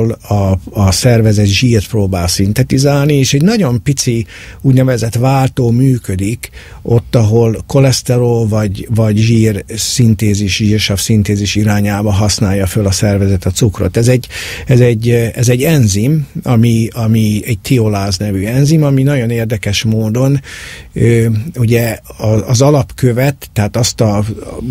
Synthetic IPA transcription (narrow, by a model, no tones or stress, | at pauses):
lɒɒsɛrvɛzɛt̪ʒiːrt̪proːbaːlsint̪ɛt̪izaːlnieːʃɛɟnɒɟo̞mpit̪si | uːɟnɛvɛzɛt̪ʋaːlt̪oːmyːkød̪ik | ʔo̞t̪ːɒɦo̞lko̞lɛst̪ɛɾolvɒɟvɒɟʒiːrsint̪eːziʃʒiːrʃɒfsint̪eːziʃiɾaːɲaːbɒɦɒsnaːjːɒfølɒsɛrvɛzɛt̪ɒt̪sukro̰t̪ɛzɛɟːɛzɛɟːɛzɛɟːɛnzimɒmiɒmiɛɟ̚t̪ʰiolaːznɛvyɛnzimɒminɒɟo̞neːrd̪ɛkɛʃmoːd̪o̞nøuɟɛɒːzɒlɒpkø̞vɛt̪ːɛɦaːt̪ɒst̪ɒ